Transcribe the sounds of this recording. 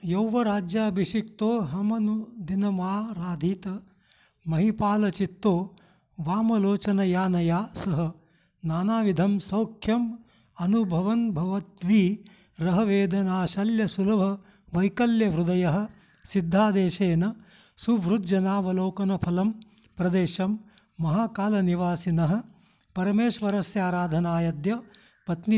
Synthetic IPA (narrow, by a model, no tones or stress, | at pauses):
jɐwʋɐɾaːd͡ʒjaːbʱiʃikt̪oːɦɐmɐnud̪inɐmaːɾaːd̪ʱiːt̪ɐ | mɐɦipaːlɐt͡ʃit̪ːoː | ʋaːmɐloːt͡ʃɐnɐjaːnɐjaːsɐɦɐ̆ | naːnaːʋid̪ʱɐmsɐwkʰjɐm | ɐnubʱɐʋɐnbʱɐʋɐt̪ʋiː | ɾɐɦɐʋeːd̪ʱɐnaːʃɐljɐsulɐbʱɐ | ʋɐjkɐljɐʋɾud̪ɐjɐɦɐ̆ | sid̪ʱːaːd̪eːʃeːnɐ | suʋɾud̪d͡ʒɐnaːʋɐloːkɐnɐpʰɐlɐm | pɾɐd̪eːʃɐmː | ɐɦaːkaːlɐniʋaːsinɐɦɐ̆ | pɐɾɐmeːʃʋɐɾɐsjaːɾaːd̪ʱɐnaːjɐd̪jɐ | pɐt̪ni